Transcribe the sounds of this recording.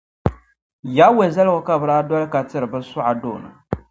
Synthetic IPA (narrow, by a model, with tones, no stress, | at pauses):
ja˨˦we˨za˦lɣʊ˨ka˦bɨ˨ɾaː˦dɔ˦lka˨tɨ˦ɾɨ˨bɨ˦sʊ˦ʔa˨doː˦˨nɨ̰˨